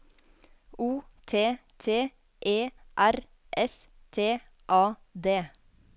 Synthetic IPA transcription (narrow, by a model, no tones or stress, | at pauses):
uːt̪ʰeːt̪ʰeː | ʔeːʔæɾ | ʔɛs | t̪ʰeː | ʔɑːd̪eː